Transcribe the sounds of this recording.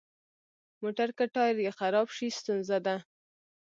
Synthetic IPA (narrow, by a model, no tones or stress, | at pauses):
moʈaɾkaʈɑjɾjexaɾɑbʃist̪unzad̪a